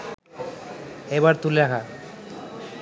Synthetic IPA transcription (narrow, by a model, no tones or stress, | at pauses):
eβaɾt̪uleɾakʰa